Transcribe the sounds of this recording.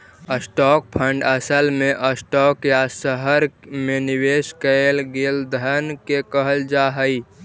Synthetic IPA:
əsʈɔk̚pʰəɳɖəsəlmeʔəsʈɔkjasəɦəɾmeniweskəelɡeld̪ʱənkekəɦəld͡ʒaɦəi

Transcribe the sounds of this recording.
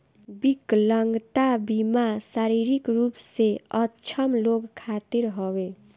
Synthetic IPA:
bikləŋɡt̪abimasaɾiɾikɾupseʌt͡ʃʰəmloɡkʰːat̪iɾɦowe

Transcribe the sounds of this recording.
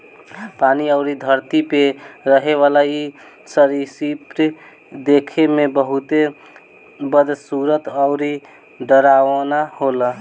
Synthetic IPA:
paniəʊɾid̪ʱəɾt̪ipeɾəɦeʋalai | səɾisipɾ | d̪ekʰemebəɦut̪e | bəd̪ʱsuɾət̪əʊɾi | ɖəɾaʋənaholə

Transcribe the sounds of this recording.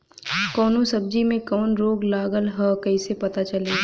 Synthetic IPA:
kɔːnõsɐb̚d͡ʒimẽkɔːnɾoːɡlaːɡəlɦəkɐisepɐt̪at͡ʃɐleː

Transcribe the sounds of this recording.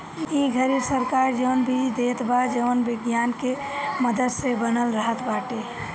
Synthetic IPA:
iɡʱəɾisəɾkaɾd͡ʒənbʱid̪et̪bad͡ʒəʋənbɪɡjanke | məd̪əd̪sebənəlɾəɦət̪baːʈe

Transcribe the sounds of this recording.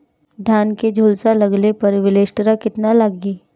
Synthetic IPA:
d̪ʱjaːnked͡ʒʱuːlsalɐɡlepɐɾʋɪleːʃʈəɾakɪt̪nalaɡɡiː

